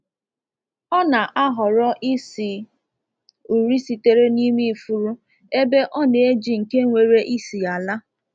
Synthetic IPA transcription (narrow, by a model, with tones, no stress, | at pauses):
ɔ˦na˨ʔa˦ɦɔ˨ɾɔ˦ʔi˦si˨ | u˨ɾi˦si˨te˦ɾe˦ni˦mi˦˨fu˨ɾu˦ | e˦be˦ʔɔ˦ne˨e˦d͡ʒi˨ŋ̩˨ke˦ŋʷe˨ɾe˦ʔi˦si˨a˨la˦